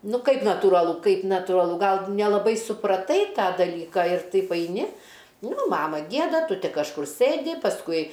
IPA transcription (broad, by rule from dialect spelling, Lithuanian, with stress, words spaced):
ˈnʊ ˈkɐɪp nɐtuːrɐˈlˠʊ ˈkɐɪp nɐtuːrɐˈlˠʊ ˈɡɐlˠ nʲɛlˠɐˈbɐɪ sʊprɐˈtɐɪ ˈtɑː dɐˈlʲiːkɑː ɪr ˈtɐɪp ɐɪˈnʲɪ ˈnʊ ˈmɑːmɐ ˈɡʲiɛdɐ ˈtʊ ˈtʲɪ kɐʃˈkʊr ˈsɘdʲɪ pɐsˈkʊɪ